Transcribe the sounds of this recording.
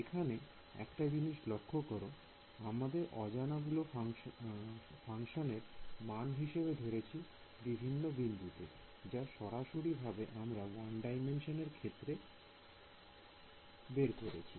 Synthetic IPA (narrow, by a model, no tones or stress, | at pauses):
ekʰane | ɛ̰kʈad͡ʑiniʃlokʰːokoɾo | amad̪eɾʔɔ̰d͡ʑanaɡulo | faŋʃoneɾmanɦiʃebed̪ʱoɾet͡ɕʰi | bibʱinːobind̪ʱut̪ḛ | d͡ʑaʃɔɾaʃoɾibʱabeʔamɾawanɖajmenʃoneɾkʰet̪ːɾe | beɾkoɾet͡ɕʰi